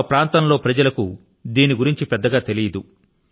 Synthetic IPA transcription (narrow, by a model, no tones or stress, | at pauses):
pɾaːnt̪ɐmlo̞ːpɾɐd͡ʒɐlɐku | d̪iːniɡuɾiɲt͡ʃipɛd̪ːɐɡaːt̪e̞lijɐd̪u